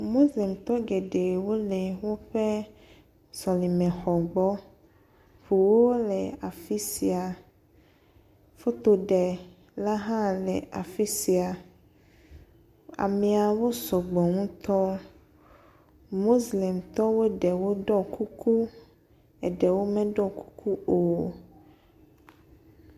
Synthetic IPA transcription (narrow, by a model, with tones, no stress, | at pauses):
mo˦slɛ˨mt̪ɔ˦ɡe˨ɖe˨wo˦lɛ˨wo˦ɸe˦ | sɔ˨li˨mɛ̃˨xɔ˨ɡ͡bɔ˦ | ɸu˨wo˦lɛ˨a˨fi˦si˨a˨ | fo˦t̪o˨ɖɛ˨ | la˦ɦã˦lɛ˨a˨fi˦si˨a˨ | a̰˨mɛ̃˨a˨wo˦sɔ˨ɡ͡bɔ˨ŋũ˦t̪ɔ˦ | mo˦sli˨mt̪ɔ˦wo˦ɖɛ˨wo˦ɖɔ˦ku˦kʰu˦ | ɛ˨ɖɛ˨wo˦mɛ̃˦ɖɔ˦˨ku˦ku˦o˨